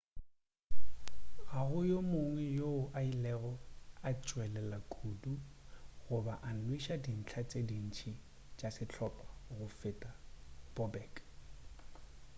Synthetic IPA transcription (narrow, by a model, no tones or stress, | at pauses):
ɣaɣʊjomoŋwɛjoʊʔailɛɣɔat͡ʃʼwɛlɛlakʼuduɣʊbaʔan̩lwiʃadin̩t͡ɬʰat͡sʼedin̩t͡ʃʰi | t͡ʃʼasɪt͡ɬʰɔpʼḁɣʊfɪtʼab̥ɔbɛːkʼ